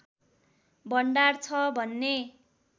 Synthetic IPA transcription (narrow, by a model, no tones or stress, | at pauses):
bʌɳɖart͡sʰʌbʱʌnːe